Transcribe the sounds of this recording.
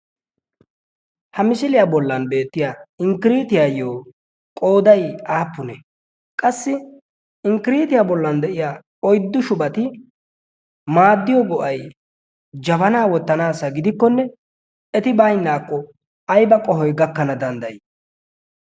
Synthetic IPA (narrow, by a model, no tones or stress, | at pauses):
hɐmɪsɪlɪjaːbɔlːɐnbe̞ːt̪ːɪjaɪŋkɪɾiːt̪ɪjaːjoː | kʼo̞ːd̪ɐjaːpːʊnɛ | kʼɐsːɪ | ɪŋkɪɾiːt̪ɪjaːbɔlːɐnd̪ɛʔɪjaː | ɔjd̪ːʊʃʊbɐt̪ɪ | maːd̪ːɪjɔɡɔʔɐj | d͡ʒɐbɐnaːwɔt̪ːɐnaːsɐɡɪd̪ɪkːɔnːɛ | ɛt̪ɪbajnːaːkːɔ | ɐjbɐkʼɔhɔjɡɐkːɐnɐd̪ɐnd̪ɐj